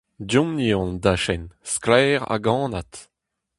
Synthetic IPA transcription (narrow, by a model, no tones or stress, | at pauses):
djɔ̃mniɔ̃nd̪aʃɛnsklɛːʁa̰ɡɑ̃ːnat